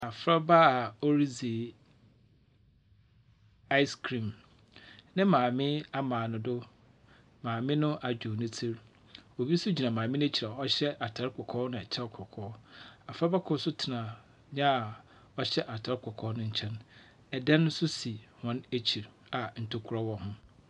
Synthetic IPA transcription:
a˨fɾa˦ba˦a˨ɔ˦ɾi˦zi˨ | a˦ɪ˦skʰɾĩ˨m | nɪ̃˦mãː˨mɪ̃˦a˦mãː˨nʊ̃˨dʊ˦ | mãː˨mɪ̃˦nʊ̃˦ʔa˨d͡ʑᶣu˨nʊ̃˦tʰi˦ɾ | o˨bi˦sʊ˦d͡ʑi˨nã˨mãː˨mɪ̃˦nʊ̃˦æ˦t͡ɕʰi˨ɾa˨ɔ˦ɕɛ˦ʔa˨tʰa˨˦ɾkʰɔ˨kʰɔː˦nʊ̃˨ɛ˨t͡ɕʰɛ˦ɾkʰɔ˨kʰɔː˦a˨fa˦ba˦kʰʊ˦sʊ˦tʰɪ˨nã˨ | ɲã˦a˨ | ɔ˦ɕɛ˦ʔa˨tʰa˨˦ɾkʷʰɔ˨kʰɔː˦nʊ̃˦ɲ̩˦t͡ɕʰɛ̃˦n | ɛ˨dɛ̃˦nʊ̃˦sʊ˦si˨hɔ̃˦næ˦t͡ɕʰi˨ɾ | a˨n̩˨tʰo˦kʰu˨ɾɔ˦wɔ˦hʊ̃˦

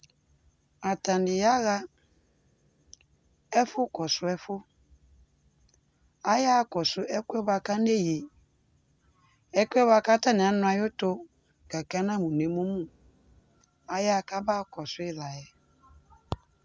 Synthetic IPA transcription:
a˨ta˨nɪ˨ja˦ɣa˦ | ɛ˦fʊ˦kɔ˨sʊ˦ɛ˦fʊ˦ | a˦ja˦kɔ˨sʊ˦ɛ˦kwɛ˦ba˧ka˦ne˦˨ji˨ | ɛ˦kʷɛ˦ba˦ka˦ta˦nɪ˨a˨˦nʊ̃˦a˨jʊ˦tʊ˦ | ɡ̥a˨ka˦nã˦mũ˨ne˨mu˦mũ˦˨ | a˨ja˦˨ka˦baː˦kɔ˨sʊ˦ɪ˦la˨jɛ˨

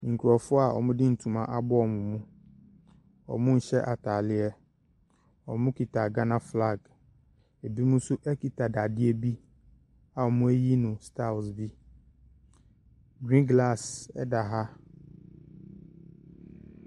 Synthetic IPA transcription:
ŋ̩˨kʰu˨ɔ˨fʊ˦a˨ɔ̰˨mʊ̃˦dɪ˦n̩˨tʰũ˨mã˨ʔa˨bɔ˦ɔ˨mʊ̃˨mũ˦ | ɔ̰˨mʊ̃˦n̩˨ɕɛ˦ʔa˨tʰaː˨lɪ˦ɛ˦ | ɔ̰˨mʊ̃˦kʰi˨tʰa˨ɡa˦nã˦fla˦˨ɡ | e˨bi˦mũ˦sʊ˦ʔɛ˦kʰi˨tʰa˨da˨dɪ˦ɛ˦bi˦ | a˨ɔ˨mʊ̃˦e˦ji˦nʊ̃˨stʰa˦˨sbi˦ | ɡɾĩ˦nɡla˦˨sɛ̰˦da˨ɦa˦

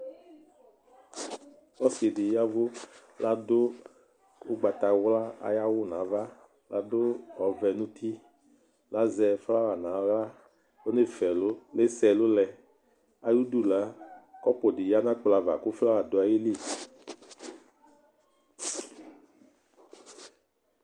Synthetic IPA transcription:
wɔ˦se˨dɪ˨ja˦vʊ˦ | la˦dʊ˦ | ʊ˦ɡ͡ba˨t̪a˨wla˦a̰˨˦ja˦wʊ˦˨nã˨˦va˦ | la˨dʊ˦ɔ˨vɛ˨nũ˦t̪ʰi˦ | la˨˦zɛ˨fla˦va˨nã˨˦wa˦ | o˦ne˦fɛ˨lʊ˦le˦sɛ˨lʊ˦lɛ˨ | a˦ju˦du˦la˨˦kɔ˦pɔ˨dɪ˨ja˦nã˦k͡pla˨va̰˨kʊ˦fla˦wa˨dʊ˨˦a˨je˦li˦˨

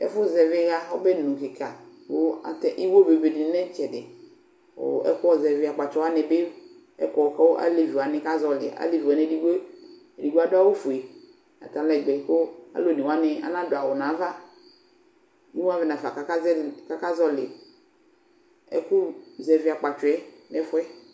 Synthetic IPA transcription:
ɛ̰˦fʊ˦zɛ˨vɪ˦ɣa˦wo˦be˦nũ˨kɪ˨ka˨ | wo˦a̰˨t̪ɛ˦˨ʔi˦wo˦be˨be˨di˨˦nɛ̃˦t͡ʃɛ˨dɪ˨ | o̰˨ɛ̰˦kʊ˦ɔ˦zɛ˨vɪ˨a˨k͡pa˨t͡ʃɔ˦wa˦nɛ˨be˦ | ɛ˦kɔ˦ɔ˨ka˦wo˦ʔa̰˦li˦vi˨a˨nɪ̃˦ka˦zɔ˦lɪ̰˨a̰˦li˦vi˨a˨ne˦di˦ɡ͡be˦˨ | di˨ɡ͡bo˦a˦dʊ˦a˦wo˦fu˨e˨ | a̰˨t̪a˨lɛ˨ɡ͡bɛ˨ko˦a̰˦lo˦˨ni˨wa˦nɛ̃˨a̰˦nã˦dʊ˨a˨wɔ˨nã˨˦va˦ | nũ˦wa˦vɪ˨nã˨fa˨ka˨ka˦ɛ˦ka˦ka˦zɔ˦lɪ˨ | ɛ̰˦kʊ˦zɛ˨vɪ˨a˨k͡pa˨t͡ʃɔ˨ɛ˦ | nɛ˦fʊ˦ɛ˦

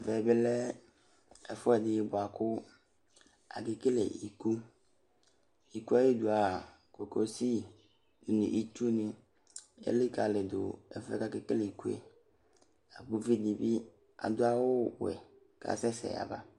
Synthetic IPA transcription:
vɛ˨bɪ˦lɛ˦ | ɛ˨fʊ˦ɛ˦˨dɪ˨˦bʊ˨a˨kʊ˦ | a̰˨kɪ˨ke˦lḛ˨i˨ku˦ | i˨ku˦a˦je˦du˨a˨ | ko˨ko˦si˦ | dʊ˨nḭ̃˨ʔi˦t̪u˦nɪ̃˦ | ɛ̰˦lɪ˦ka˨lɪ˨d̪ʊ̰˨ɛ̰˨fɛ̰˦ka˦kɪ˦ke˦le˨i˨ku˦ḛ˨ | a˨bu˦vi˦di˨bi˦ | a̰˨d̪ʊ˦a˦wʊ˦wɛ̰˨ | ka̰˨sɛ˦sɛ̰˨a̰˨ba˦

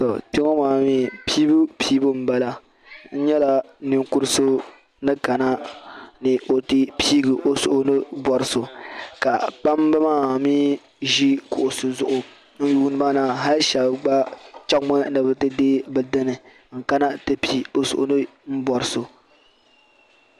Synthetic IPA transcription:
tɔ˨te˦ŋɔ˦maː˨miː˦piː˦bu˦pʰiː˦bu˦m̩˦ba˦la˦ | n̩˦ɲɛ˦la˦nɪ˦ŋku˦ɾso˦ | nɨ˦ka˨na˦nɨ˨ʔo˨ti˦pʰi˦ɡɨ˨ʔo˦sʊ˨ʔʊ˨nɨ˦bɔ˨ɾɨ˦so˨ka˨k͡pa˦m˦bɨ˦maː˦miː˦ | ʒi˦kʊ˨ʔʊ˨so˨zʊ˦ʔʊ˨ | n̩˦ju˦nɨ˦ba˦na˨ɦa˦lʃa˨bɡ͡ba˦t͡ʃa˦kmɔ˦nɨ˨bɨ˨tɨ˦deː˦bɨ˨dɨ˦nɨ˨ | ŋ̩˨ka˦na˦tɨ˦pi˦o˨sʊ̰˨ʔʊ̰˨nɨ˦m̩˦bɔ˨ɾɨ˦so˨

